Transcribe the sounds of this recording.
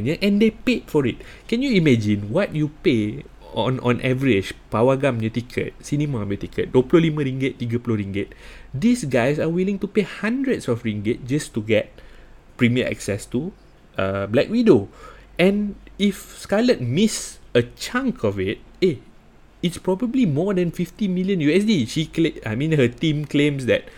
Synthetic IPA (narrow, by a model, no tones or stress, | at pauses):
ɲəʔɛ̃ndepet̚fɔɹit̚kɛ̃njuimɛd͡ʒĩnwɔt̚jupe | ɔ̃nʔɔ̰̃nʔɛvəɹid͡ʒpawəɡãmjətikʰə̰t̚sinimamjət̪ikʰət̚duəplolimə̃ɹiŋɡətːiɡəploɹĩŋɡət̚disɡajsawilĩŋtupehãndɹətsɔfɹĩŋɡət̚d͡ʒastuɡɛt̚ | pɹimiəʔɛ̰ksɛstu | əblɛkwĩdoɛ̃nifskalət̚misət͡ʃãŋkʰɔfit̚e | itspɹɔbəblimɔdɛ̃nfiftimiljə̃njuɛsdiʃikleajmĩnhətĩmklẽmsdɛ̰t̚